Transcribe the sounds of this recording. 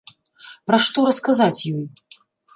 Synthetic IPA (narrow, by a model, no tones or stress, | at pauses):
pɾɐʂt̪ɔɾɐskazat͡sʲjɔj